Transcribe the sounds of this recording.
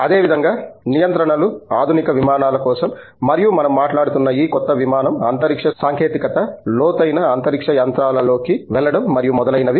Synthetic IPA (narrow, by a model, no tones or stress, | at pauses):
ɐd̪e̞ːʋid̪ʱɐŋɡaːnijɐnt̪ɾɐɳɐluaːd̪ʱunikɐʋimaːnaːlɐkɔːsɐmː | ɐɾijumɐnɐmːaːʈlaːɽut̪unːɐiːkɔt̪ːɐʋimaːnɐmɐ̰nt̪ɐɾikʂɐsaːŋkʰeːt̪ikɐt̪ɐlɔːt̪ɐjnɐːnt̪ɐɾikʂɐjɐnt̪ɾaːlɐlo̞ːkiʋɛlːɐɽɐmːɐɾijumɔd̪ɐlɐjnɐʋi